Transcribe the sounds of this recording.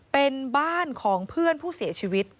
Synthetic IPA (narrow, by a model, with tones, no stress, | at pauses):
pe˧nbaː˥˩nkʰɔː˩˦ŋpʰɯ˥˩ənpʰuː˥˩si˨˩˦ɐt͡ɕʰiː˧wi˦˥t̪̚